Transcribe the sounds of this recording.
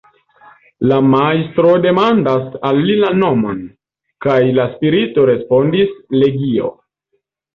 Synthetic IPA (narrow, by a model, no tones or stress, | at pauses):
lamajstɾo̞de̞mandasalːilano̞mon | kajlaspiɾito̞ɾe̞spo̞ndisle̞ɡio̞̰